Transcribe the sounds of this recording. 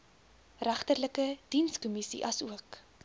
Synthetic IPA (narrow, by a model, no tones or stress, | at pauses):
ræχtərləkəd̥inskɔmisḭʔɐsuək